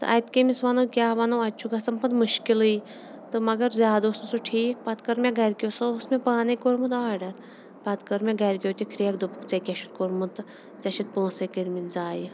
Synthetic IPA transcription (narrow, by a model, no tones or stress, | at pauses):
t̪ɨ̰ʔɐt̪kemisʋanoːkʲjaːʋanoɐt͡ʃʰuɡɐsɐmpɐnmuʃkilɨj | t̪ɨmɐɡɐɾzʲaːd̪oːsmsuʈʰiːk̚pɐt̪kɐɾmʲẽɡɐɾʲkʲjosousmepaːnɐkoɾmut̪aːɖɐɾ | pat̪kɐɾmʲẽɡɐɾʲkʲjoːt̪ʲikʰɾijɐkd̪upɨkt͡sɐkʲɐʃut̪̚koɾmut̪ɨ | zɐʃit̪̚põːsɐkiɾmit̪zaːji